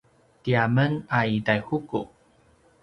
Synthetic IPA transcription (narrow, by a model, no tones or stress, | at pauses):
tiamənaidajhuku